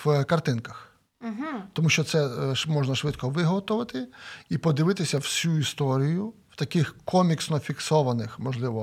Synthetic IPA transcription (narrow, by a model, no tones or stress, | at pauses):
ʋkɐrt̪ɪnkɐx | ɦt̪ɔmuʃt͡ʃɔt̪sɛmɔʒnɐʃʋɪd̪kɔʋɪɦɔt̪ɔʋɐt̪ɪipɔd̪ɪʋɪt̪ɪsʲɐwsʲuist̪ɔɾʲijʊw̥t̪ɐkɪxkɔmʲiksnɔfʲiksɔʋɐnɪxmɔʒlˠɪʋɔ